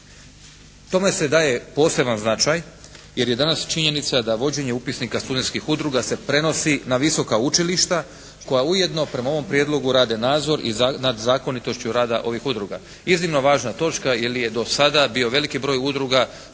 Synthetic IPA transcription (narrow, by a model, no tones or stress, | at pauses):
t̪o̞me̞se̞d̪aːje̞po̞ːse̞banznat͡ʃaj | je̞ɾje̞d̪anast͡ʃiɲe̞nit̪sad̪aʋo̞d͡ʑe̞ɲe̞upisnikast̪ud̪et̪kixud̪ɾuɡase̞pɾe̞no̞sinaʋiso̞kaut͡ʃiliʃt̪a | ko̞jauje̞d̪no̞pɾe̞mao̞ʋo̞mpɾje̞d̪lˠo̞ɡuɾaːd̪e̞naːd̪zo̞ɾḭznad̪zaːko̞nit̪o̞ʃt͡ɕuɾaːd̪aʔo̞ʋixud̪ɾuɡa̰ | iznimno̞ʋaːʒnat̪o̞t͡ʃkajilije̞d̪o̞sad̪abio̞ʋe̞likibɾo̞ːjud̪ɾuɡa